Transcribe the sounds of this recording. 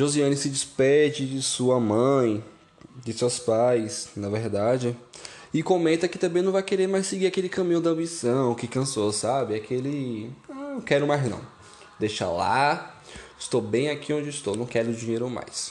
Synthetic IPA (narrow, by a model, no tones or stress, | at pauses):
ʒoziɐ̃nɪsɪd͡ʒɪspɛd͡ʒɪd͡ʒɪsuɐmɐ̃j̃ | d͡ʒɪsespajsnɐveɾd̪ad͡ʒɪɪkõmẽt̪ɐkɪt̪ɐ̃mbẽj̃nɐ̃vajkeɾeɾmajsɪɡiɾakelɪkɐ̃mĩɲʊd̪ɐɐ̃bisɐ̃w̃ʊkɪkɐ̃sosabɪakʰelɪañkɛɾʊmajznɐ̰̃w̃ | d̪ejʃa̰la̰ | ɪʃt̪obẽj̃akiõd͡ʒɪɪst̪ownɐ̃w̃kɛɾʊd͡ʒĩɲejɾʊma̰js